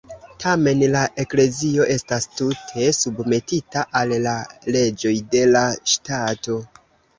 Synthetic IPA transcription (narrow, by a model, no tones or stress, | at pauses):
tʰame̞nlaʔe̞kle̞zio̞ʔe̞stastutʰe̞subme̞titaʔallale̞d͡ʒo̞jde̞laʃtato̞